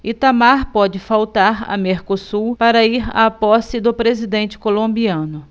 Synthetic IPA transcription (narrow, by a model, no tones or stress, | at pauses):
ɪt̪amaɾpɔd͡ʒɪfawt̪aɾɐ̰meɾkosuwpaɾɐiɾa̰pɔsɪd̪ʊpɾezid̪ẽnt͡ʃɪ̥kolõmbiɐ̃nʊ